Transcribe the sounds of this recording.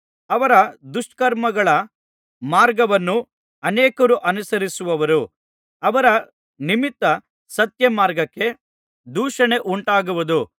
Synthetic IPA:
ɐʋɐɾɐd̪uʂʈkɐɾmɐɡɐɭɐ | maːɾɡɐʋɐnːu | ɐneːkɐɾuʔɐnusɐɾisuʋɐʋɐɾu | ɐʋɐɾɐ | nimit̪ːɐ | sɐt̪jɐmaːɾɡɐkːe̞ | d̪uːʂɐɳe̞ʔuɳʈaːɡuʋud̪u

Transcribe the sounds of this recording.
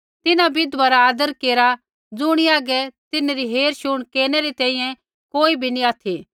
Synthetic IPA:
t̪ɪnabɪd̪ʋaɾaːd̪əɾkeːɾa | d͡zʊɽ̃iaːɡɛt̪ɪnɾiɦeːɾʃʊɽ̃keːnɛɾit̪ɛ̃ːĩjɛ̃ | koːibʱiniaːt̪ʰi

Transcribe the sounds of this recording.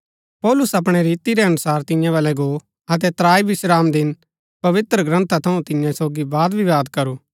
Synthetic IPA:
pɔːlʊsɐpɽ̃eɾiːt̪iɾɛɐnʊsaːɾt̪ɪ̃jãβɐlɛɡo | ɐt̪̬ɛt̪ɾaːibɪʃɾaːmd̪ɪn | pɐʋɪt̪ɾəɡɾə̃nt̪ʰat̪ʰɐũt̪ɪjãsoːɡibaːd̪bʱiʋaːd̪kɐɾuː

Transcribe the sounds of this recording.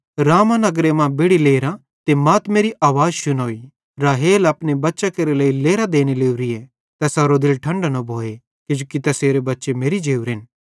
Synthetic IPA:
ɾaːmãnɐɡɾemãbeːɽileːɾã | t̪emɐːt̪meːɾiʔaːʋaːd͡ʒʃʊnoːi | ɾaːɦeːlɐpnebɐtːʃakeɾeleileːɾad̪eːneleːuɾie | t̪ɐsaːɾod̪ɪlʈʰɐ̃ɳɖanɐbʱoːe | kɪd͡ʒokit̪ɐseːɾebɐtːʃemeːɾid͡ʒeːuɾɪn

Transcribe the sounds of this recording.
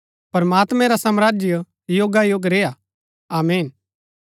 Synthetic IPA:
pɐɾmaːt̪mɛ̃ɾasɐmɾaːd͡ʒjə | joːɡajoːɡɾeːja | aːmiːn

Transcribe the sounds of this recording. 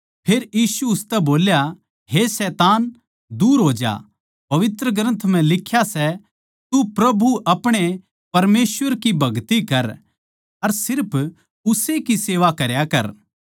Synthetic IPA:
pʰeːɾjiːsuʊst̪ɛboːlja | ɦesɛːt̪aːn | d̪uːɾɦoːd͡ʒa̰ | pɐʋɪt̪ɾəɡɾə̃nt̪ʰm̤ɛ̃lɪkʰːjasɛ | t̪upɾɐbʱuʔɐpɽ̃e | pɐɾmeːsʋəɾkibʱɐɡt̪ikɐɾ | ɐɾsɪɾpʰ | ʊsekiseːʋakɐɾjakɐ̰ɾ

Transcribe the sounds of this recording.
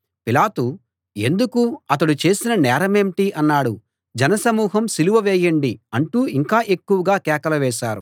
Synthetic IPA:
pilaːt̪u | e̞nd̪ukuɐt̪̬ɐɽut͡ʃe̞ːsinɐnɛːɾɐmemʈiʔɐnːaːɽu | d͡ʒɐnɐsɐmuːɦɐmsiluʋɐʋɛːjɐɳɖiɐɳʈuːiŋkaːʔe̞kːuʋɐɡaːkɛːkɐlɐʋɛːʃaːɾu

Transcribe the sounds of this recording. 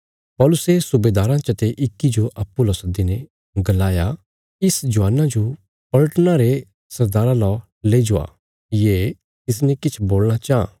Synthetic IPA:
pɔːlʊsesʊbeːd̪aːɾãt͡ʃɐt̪eʔɪkːid͡ʒoʔɐpːulɔsd̪inɛ | ɡɐlaːja | ɪsd͡ʒʊaːnãd͡ʒo | pɐləʈnaɾe | sɐɾd̪aːɾãlɔ | leːd͡ʒoa̰ | jeː | t̪ɪs̬nɛ̃kɪt͡ʃʰboːlɽ̃at͡ʃaã̰

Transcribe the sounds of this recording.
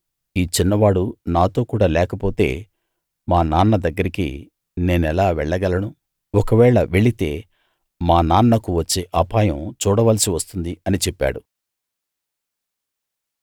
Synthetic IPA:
iːt͡ʃinːɐʋaːɽunaːt̪o̞ːkuːɽaːlɛːkɐpo̞ːt̪e̞̰ː | maːnaːnːɐd̪ɐɡːɐɾikḭ | ne̞ːnɛlaːʋɛɭːɐɡɐlɐnu | ɔkɐʋɛːɭɐʋe̞ɭit̪e̞ː | maːnaːnːɐkuʋɐt͡ʃːeːʔɐpaːjɐmt͡ʃuːɽɐʋɐːlɐsiʋɐst̪und̪iɐnit͡ʃepːa̰ːɽu

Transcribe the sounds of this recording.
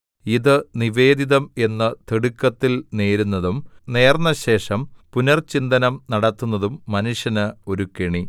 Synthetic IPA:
iðɨniʋe̞ːd̪iðɐme̞nːɐt̪eɽukːɐt̪ːilneːɾunːɐðumne̞ːrnːɐɕe̞ːʂɐmpunɐrt͡ɕind̪ɐnɐmnɐɽɐt̪ːunːɐðumːɐnuʂjɐnɨo̞ɾukeɳi

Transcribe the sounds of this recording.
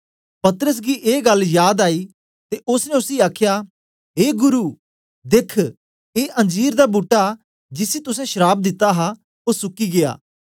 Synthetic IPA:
pɐt̪əɾəs̬ɡiːʔeːɡɐljaːd̪aːiː | t̪eʔʊsnẽʊsiaːkʰjaː | ɦeːɡʊɾuː | d̪ekʰ | eːʔɐ̃nd͡ʒiːɾd̪aːbuʈːa | d͡ʒɪsit̪ʊs̬ɛ̃ʃəɾaːb̚d̪ɪt̪aɦa | oːɾsʊkiːɡɪa̰ː

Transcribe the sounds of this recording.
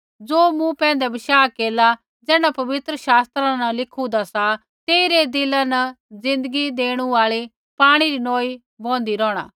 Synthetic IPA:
d͡zoːmũpɛ̃ːnd̪ɛbɪʃaːkeːla | d͡zɛːɽapɐʋɪt̪ɾəʃaːst̪ɾãnɐlɪkʰud̪asa | t̪eːiɾed̪ɪlanɐ | d͡zɪ̃nd̪əɡid̪eːɽ̃uaːɭi | paːɽ̃iɾinoːi | bɔ̃ːnd̪iɾɔːɽ̃a̰ː

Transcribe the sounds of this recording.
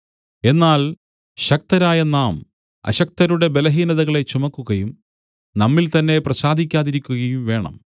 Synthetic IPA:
e̞nːaːl | ɕɐk̚t̪ɐɾaːjɐnaːm | ɐ̰ɕɐk̚t̪ɐɾuɽe̞be̞lɐɦiːnɐðɐɣɐɭe̞t͡ɕumɐkːuɣɐjum | nɐmːilt̪ɐnːe̞prɐɕaːd̪ʱikʲːaːðiɾikʲːuɣɐjumʋe̞ːɳɐ̰m

